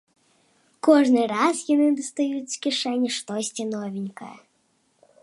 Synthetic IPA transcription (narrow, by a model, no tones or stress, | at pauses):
kɔʐnɪɾɑzjɔnɪd̪ɔst̪ɐjut͡sʲkʲiʂɛnʲiʂt̪ɔsʲtʲinɔvʲinʲkɐjɐ̰